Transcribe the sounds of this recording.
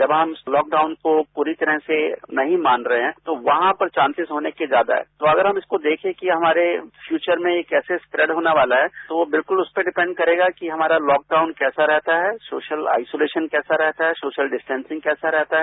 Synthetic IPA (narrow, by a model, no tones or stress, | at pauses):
d͡ʒɐbɦɐmlɔːk̚ɖaːʊnkopuːɾit̪ɐɾəɦsenɐɦĩmãːnɾɐɦeɦɛ̃ːt̪oʋɐɦãpɐɾt͡ʃãːnsɪzɦoːnekezjaːd̪a̰ɦɛ̰ːt̪oɐɡəɾɦɐmɪskod̪eːkʰẽkiɦɐmaːɾefʰjuːt͡ʃəɾmẽekɛːsespɾɛːɖɦoːnaʋaːlaɦɛːt̪oʋobɪlkʊlʊspeɖɪpɛ̃ɳɖkɐɾeːɡakiɦɐmaːɾalɔːk̚ɖaːʊnkɛːsaɾɛɦt̪aɦɛːsoːʃəla̰ːɪsoːleːʃənkɛːsaɾɛɦt̪aɦɛsoːʃəlɖɪsʈɛ̃nsɪ̃ŋɡkɛːsaɾɛɦt̪aɦɛ